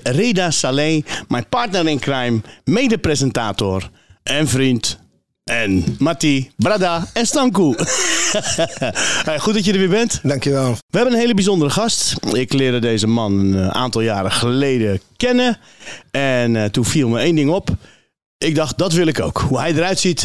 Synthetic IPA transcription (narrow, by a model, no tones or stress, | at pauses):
reːdasaleːmɛjpartnəɾɪnkrɛjmːeːdəprezɛntaːtor | ɛnfrint | ɛnmatibradaɛnstɔŋku | xut̚dɔtjədərʋibɛntdaŋkjəʋɛlˠʋəɛbənənheːləbizondəɾəxɔstɪklɪəɾdədeːzəmɔnəa̰ːntɔlˠjaːɾəxəleːdəkɛnə | ɛntufiəlˠməeːndɪŋop | ɪk̚dɔxt̚dɔtʋɪlˠɪko̰wkhuhɛjdəɾœɥtsit